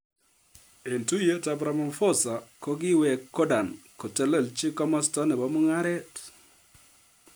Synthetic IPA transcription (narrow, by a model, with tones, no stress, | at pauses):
e˨ntu˦je˦ta˨bɾa˨mɔ˨mfo˦sa˨ko˦ɡɪ˦wɛ˨kːɔ˦da˨nkɔ˨tɛ˨le˨lt͡ʃɪ˦kɔ˦mɔ˦stɔ˦nɛ˨bɔ˦mʊ˦ŋa˦ɾɛ˦t